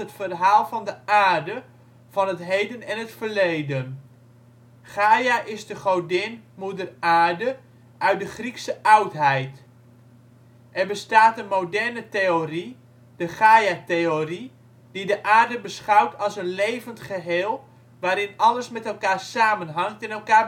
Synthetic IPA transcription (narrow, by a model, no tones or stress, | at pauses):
ətfərɦaːlˠvɑndəaːɹdə | v̥ɑnɦətɦejdənɛnɦətfəɹlejdən | χaːjaʔɪzdəχodɪnmudəraːɹdə | ʔœɥt̚dəχriksəʔɑwtɦɛjt | ʔɛɹbəstaːtənmowdɛɹnətejori | d̥əχaːjatejori | d̥idəʔaːɹdəbəsχɑwtʰɑlˠsənlejvəntχəɦɪːlˠ | ʋaːɾɪnɑləsmɛtɛlˠkaːɹsaːmənɦɑŋ̚tɛnɛlˠkaː